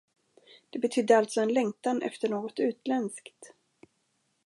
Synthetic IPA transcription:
d̪̥ɛbɛt̪ʰʏd̪ːəalt̪sɔɛnlɛŋt̪anʔɛ̰ft̪əɳoːɡɔt̪ʉ̟ːt̪lɛnskt̪

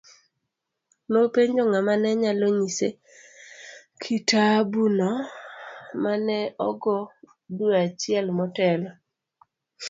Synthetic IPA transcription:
nopeɲd͡ʒoŋamanɛɲaloɲise | kʰitabunɔ | manɛɔɡɔ | duat͡ʃɪɛlmɔtɛlɔ

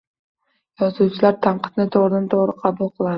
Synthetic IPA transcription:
jɒzuwt͡ʃʰɪlaɾt̪ʰaɴqʰɨ̥t̪nɪt̪ʰoʁɾɪd̪ant̪ʰoʁɾɪqʰɑbulˠqʰɨlˠa

